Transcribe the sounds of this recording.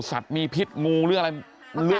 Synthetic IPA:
sa̰˨˩t̪̚miː˧pʰi˦˥t̪̚ŋuː˧ɾɯ˥˩ŋʔaɾa˧j | lɯ˦˥

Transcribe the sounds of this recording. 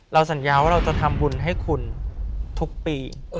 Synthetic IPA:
ɾa˧wsa˩˦njaː˧waː˥˩ɾa˧wt͡ɕa˨˩t̪ʰa˧mbu˧nɦa˥˩jkʰu˧nt̪ʰu˦˥k̚piː˧

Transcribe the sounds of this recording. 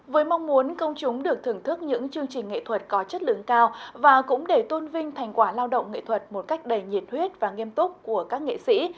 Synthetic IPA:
vəː˨˦jma˧wŋ͡mmu˨˦ənkə˧wŋ͡mt͡ɕʊ˨˦ŋ͡mɗɨ˨˩ək̚t̪ʰɨ˨˩əŋt̪ʰɨ˦˥k̚ɲɨ̰˧˥ŋt͡ɕɨ˧əŋt͡ɕï˨˩ŋ̟ŋḛ˧˨t̪ʰwə˨˩t̚kɔ˨˦t͡ɕə˦˥t̚lɨ̰˧˩əŋkaː˧wvaː˨˩kʊ̰˧˥ŋ͡mɗe˧˩t̪o˧nvï˧ŋ̟t̪ʰa˨˩jŋ̟kwaː˧˩laː˧wɗə̰˧˨wŋ͡mŋḛ˧˨t̪ʰwə˨˩t̚mo˨˩t̚ka˦˥jk̟̚ɗə˨˩jɲi˨˩t̚hwi˦˥ət̚vaː˨˩ŋi˧əmt̪ʊ˦˥k͡p̚ku˧˩əkaː˦˥k̚ŋḛ˧˨sḭ˧˥

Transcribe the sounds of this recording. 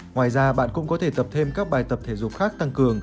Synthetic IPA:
ŋwaː˨˩jzaː˧ɓa̰ː˧˨nkʊ̰˧˥ŋ͡mkɔ˨˦t̪ʰe˧˩t̪ə˨˩p̚t̪ʰe˧mkaː˦˥k̚ɓaː˨˩jt̪ə˨˩p̚t̪ʰe˧˩zʊ̰˨˩p̚xaː˦˥k̚t̪a˧ŋkɨ˨˩əŋ

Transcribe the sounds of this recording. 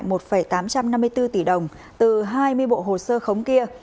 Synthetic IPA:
jmo˨˩t̚fə˧˩jt̪aː˨˦mt͡ɕa˧mna˧mːɨ˧əjt̪ɨ˧t̪i˧˩ɗə˨˩wŋ͡m | t̪ɨ˨˩ɦaː˧jmɨ˧əjɓo̰˧˨ɦo˨˩səː˧xə˨˦wŋ͡mki˧ə

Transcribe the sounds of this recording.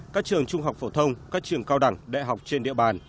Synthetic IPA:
kaː˦˥k̚t͡ɕɨ˨˩əŋt͡ɕʊ˧ŋ͡mɦa˨˩wk͡p̚fo˧˩t̪ʰə˧wŋ͡mkaː˦˥k̚t͡ɕɨ˨˩əŋkaː˧wɗa˧˩ŋɗḛ˧˨ɦa˨˩wk͡p̚t͡ɕe˧nɗḭ˧˨əɓaː˨˩n

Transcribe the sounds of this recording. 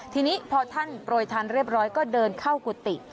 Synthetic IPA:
t̪ʰiː˧niː˦˥pʰɔː˧t̪ʰa˥˩npɾoː˧jt̪ʰaː˧nɾiː˥˩əp̚ɾɔː˦˥jkɔː˥˩dɤː˧nkʰa˥˩wku˨˩t̪ːi˨˩

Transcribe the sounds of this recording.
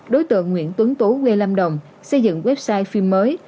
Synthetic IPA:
ɗo˨˦jt̪ɨ̰˧˨əŋːwḭ˧˨ənt̪wə˨˦ŋt̪u˨˦ɣwe˧la˧mɗə˨˩wŋ͡m | sə˧jzɨ̰˧˨ŋwɛ˦˥p̚saː˧jfi˧mːəː˨˦j

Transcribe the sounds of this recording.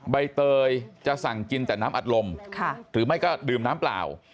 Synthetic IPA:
ɓa˧˩jt̪əː˧jt͡ɕaː˧saː˧˩ŋki˧nt̪a̰ː˧˩jnaː˨˦˥mʔa˨˩t̚lo˨˩mʰ˧t̪ʰɨ˨˩˦ma˨˦˥jkɔ˨˦˥ɗɨ˨˩əmnaː˨˦mpla̰ː˧˩˨w

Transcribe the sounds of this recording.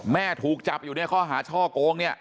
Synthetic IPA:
mɛː˥˩t̪ʰuː˨˩k̚t͡ɕa˨˩p̚juː˨˩ni˥˩ɐkʰɔː˥˩ɦaː˩˦t͡ɕʰɔː˥˩koː˧ŋni˥˩ɐ

